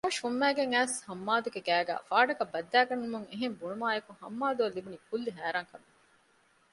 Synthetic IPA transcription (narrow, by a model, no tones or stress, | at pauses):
ɐɐʃumːæːɡeŋæːshɐmːaːd̪uɡeɡæːɡæ̰ːfaːɖɐkɐbːɐd̪ːæːɡɐnːumuŋeɦembuɳumaːjekuhɐ̰mːaːd̪uɐlːibunikulːiɦæːɾaːŋkɐbe